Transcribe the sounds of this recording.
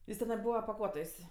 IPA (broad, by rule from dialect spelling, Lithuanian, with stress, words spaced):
ˈjɪs tʲɛˈnɐɪ ˈbuːʋɐ pɐˈkuɔtoːjsʲ